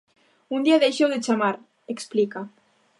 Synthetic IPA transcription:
und̪iaðejʃewðet͡ʃamaɾ | eksplika

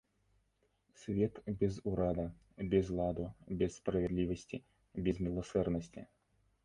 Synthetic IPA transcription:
sʲvʲet̪bʲɪzʊɾad̪ə | bʲɪzlˠad̪ʊbʲɛsːpɾəvʲɛd̪lʲivəsʲtʲɪ | bʲɪzmʲɪlˠɐsɛrnəsʲtʲɪ̰

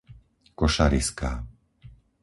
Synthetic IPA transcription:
kɔʃaɾḭska̰ː

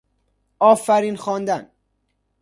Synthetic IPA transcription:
ʔɒːfæɾiːnxɒːnd̪æn

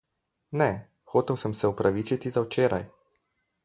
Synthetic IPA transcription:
nɛ | xoːt̪ɛwsəmsɛupɾaʋit͡ʃit̪izawt͡ʃeːɾa̰j

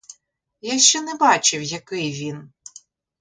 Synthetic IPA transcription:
jaʃt͡ʃɛnɛbɑt͡ʃɪwjɐkɪjʋʲin

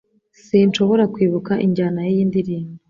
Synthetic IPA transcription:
sint͡ʃo̞βo̞ɾakwiːβukaʔḭɲɟaːnajijiːndiɾiːmi

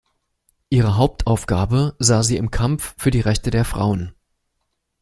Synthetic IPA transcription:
ʔiːʁ̞əɦaʊp̚tʰʔaʊfɡ̥aːbəzaːziːɪmkʰamffyːɐdiːʁɛçtədeːɐfʁ̥a̰ʊən

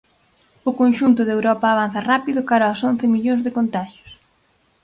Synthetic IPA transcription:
ʊkonʃunt̪ʊðewɾɔpaːβ̞an̟θɐrapiðʊkaɾaason̟θɪmiʎõŋzðɪkont̪aʃjʊ̥s

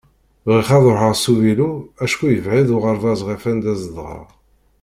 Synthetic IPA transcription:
vʁiχɑðˤoħəʁsuviluæʃkujəvʕiðoʁəɾˤðɑzˤʁifænd̪æzðˤʁɑ̰ʁ

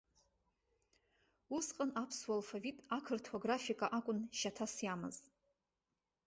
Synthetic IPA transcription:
usqʼanapʰswalfavitʼakʰɨrtʰoɡrafikʼaʔakʷʼʊnʃatʰasjamɨ̰z

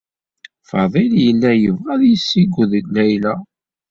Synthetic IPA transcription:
fɑðˤiljəlːæjəvʁæðjəsːiɡʷːʊðlæjlæ

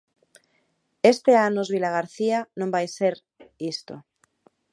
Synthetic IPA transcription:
est̪eanozβilaɣaɾθianõmbajseɾ | ist̪o̰

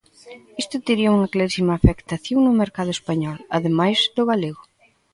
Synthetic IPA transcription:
ist̪ʊt̪iɾiɐuŋɐklaɾisimaːfekt̪aθjoŋnʊmeɾkaðʊespaɲɔlaðemajzd̪ʊɣaleɣʊ

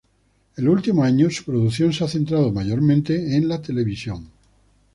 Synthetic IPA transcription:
e̞lult̪imoaɲosu̥pɾoðukθjo̞nseaθent̪ɾað̞omaʝo̞ɾmẽnt̪e̞ːnlat̪e̞le̞βisjoŋ

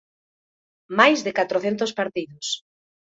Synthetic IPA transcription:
majzðɪkat̪ɾoθent̪ʊspaɾt̪iðʊs

